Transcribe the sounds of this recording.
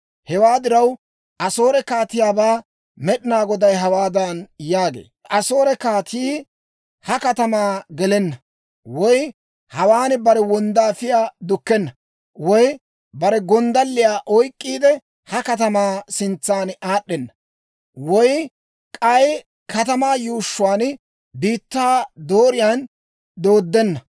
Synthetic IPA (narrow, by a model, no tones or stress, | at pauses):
hɛwaːd̪ɪɾɐw | ɐsoːɾɛkaːt̪ɪjaːbaː | mɛɗɪnaːɡɔd̪ɐjɦɐwaːd̪ɐnjaːɡḛː | ʔɐso̞ːɾɛkaːt̪ʰiː | hɐkɐt̪ɐmaːɡɛlɛnːɐ | wɔj | hɐwaːnɪbɐɾɛwɔnd̪aːfɪjaːd̪ʊkːɛnːɐ | wɔj | bɐɾɛɡɔnd̪ɐlːɪjaːʔɔjkʼːiːd̪ɛ | hɐkɐt̪ɐmaːsɪnt͡sːaːnaːɗːɛnːɐ | wɔj | kʼɐj | kɐt̪ɐmaːjuːʃːʊwaːn | biːt̪ːaːd̪o̞ːɾɪjaːn | d̪o̞ːd̪ːɛnːɐ